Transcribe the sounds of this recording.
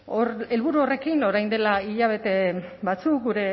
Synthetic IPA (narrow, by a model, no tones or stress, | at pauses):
ore̞lβuɾuore̞kino̞ɾajnd̪e̞laiʎaβ̞e̞t̪e̞bat͡suk̚ɡuɾe̞